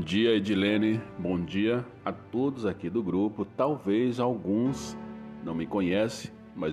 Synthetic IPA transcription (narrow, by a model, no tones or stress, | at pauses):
d͡ʒiɐed͡ʒɪlẽnɪbõd͡ʒiɐ | at̪od̪ʊzakid̪ʊɡɾupʊt̪awvejzawɡũsnɐ̃w̃mɪkõɲɛseɪ̥̃ | mɐ